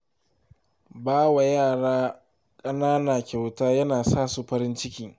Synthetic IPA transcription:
baː˦wa˨jaː˦˨ɽaː˦ | kʼɐ˦naː˦naː˨kʲa˨wtaː˦jɐ˦naː˨saː˦su˨ɸɐ˦ɾɪ˦nt͡ʃɪ˦kʲɪ˨˦ŋ

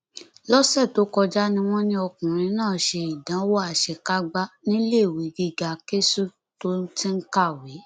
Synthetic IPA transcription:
lɔ˦sɛ˦˨to˨˦kɔ˧d͡ʒa˦nĩ˧w̃ɔ̃˦nĩ˧ɔ˧kũ˨ɾ̃ĩ˧˦nãː˦˨ʃe˧i˨dã˨˦wɔ˦a˨ʃɛ˧ka˦ɡ͡ba˦nĩ˦le˦˨wi˨˦ɡi˧ɡa˨ke˦su˦˨ | to˨˦tĩ˦n̩˦ka˦˨we˨˦

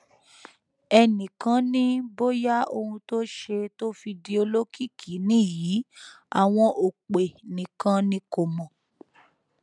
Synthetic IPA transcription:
ɛ˧nĩ˨kã˨˦nĩ˦bo˦ja˦o˧hũ˧to˦ʃe˧to˦fi˧di˧˦o˧lo˦ki˦˨kʰi˨˦nĩ˦ji˨˦ | a˨w̃ɔ̃˧ʔo˨k͡pe˨nĩ˨kã˧˦nĩ˦ko˨mɔ̃˨

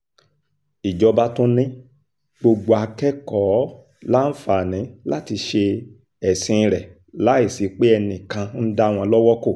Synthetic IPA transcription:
i˨d͡ʒɔ˧ba˦tũ˦nĩ˦ | ɡ͡bo˧ɡ͡bo˧a˧kɛ˦kɔ˨˦ | la˦n̩˦fa˨nĩ˨˦la˦ti˧ʃe˧ | ɛ˨sĩ˧ɾɛ˨ | la˨˦i˦˨si˨˦k͡pe˦ɛ˧nĩ˨kã˧n̩˦da˦˨w̃ɔ̃˧lɔ˦wɔ˦ko˦˨

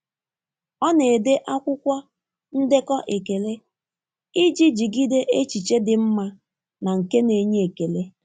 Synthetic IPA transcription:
ɔ˦ne˨e˨de˦ʔa˦kʷʊ˦kʷa˦ | n̩˦dɪ˦kɔ˦ʔe˨ke˨le˦ | i˦d͡ʒi˦d͡ʒi˨ɡi˦de˦ʔe˦t͡ʃi˨t͡ʃe˦dɪ˨m̩˦ma˦ | na˨ŋ̩˨ke˦ne˨ɲe˦e˨ke˨le˦

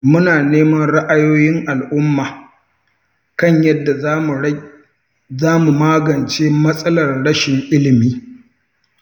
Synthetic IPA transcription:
mʊ˦naː˨neː˦mɐ˦nɽa˦ʔa˦joː˦jɪ˦ŋʔa˨lʔʊ˦mːaː˨ | kɐ˦ɲjɐ˦dːa˨˦˨ | zaː˦mu˨maː˦ɡɐ˨nt͡ʃeː˦mɐ˦sʼɐ˦lɐ˨rɽɐ˦ʃɪ˨ŋʔɪ˦lɪ˨miː˦

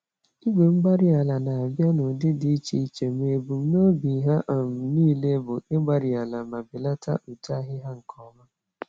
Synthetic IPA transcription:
i˦ɡ͡be˨m̩˦ɡ͡ba˦ɾɪ˦a˨la˨na˨a˨bja˦nʊ˨dɪ˦dɪ˨i˦t͡ʃi˨i˦t͡ʃe˨me˨bu˨m̩˦no˦bi˨˦ɦa˦ʔɔ˨m̩˨niː˦le˦bʊ˨e˦ɡ͡ba˨ɾɪ˨a˨la˨ma˨bɪ˨la˦tʰa̰˦ʔu˨ta˦ɦɪ˦ɦa˦ŋ̩˨kʰɔ˦ma˦

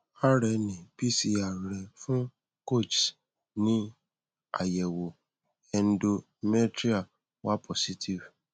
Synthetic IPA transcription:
a˦ɾɛ˨nĩ˨pi˦si˧˦a˨ɾɛ˨fũ˦ | ko˦˨t͡ʃ | nĩ˦ | a̰˨jɛ˨wo˨ | ɛ˨n̩˦do˧ | mɛ˦tɾi˦a˨ | wa˦pʰɔ˨si˦tʰi˨v

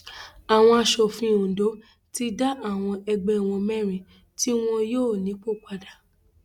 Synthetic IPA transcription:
a˨w̃ɔ̃˧a˧ʃɔ˨fĩ˧õ˨do˨˦ | ti˦da˦ʔa˦˨w̃ɔ̃˧ʔɛ˧ɡ͡bɛ˧˦˨w̃ɔ̃˧mɛ˦ɾ̃ĩ˧˨ | ti˦w̃ɔ̃˧joː˦˨nĩ˨˦k͡po˦˨k͡pa˧da˨

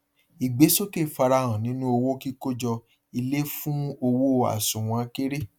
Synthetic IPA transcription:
i˨ɡ͡be˨˦so˦ke˦˨fa˧ɾa˧˨ɔ̃˨nĩ˨˦nũ˦o˧wo˦ki˦ko˦d͡ʒɔ˧ | i˧le˦fũ˦o˧wo˦a̰˨sũ˨w̃ã˧˦ke˦ɾe˦

